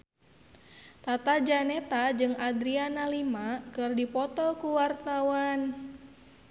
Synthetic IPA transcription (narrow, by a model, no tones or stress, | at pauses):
t̪at̪ad͡ʒanɛt̪ad͡ʒɨŋad̪ɾianalimakɨrdipɔt̪ɔkuwart̪awan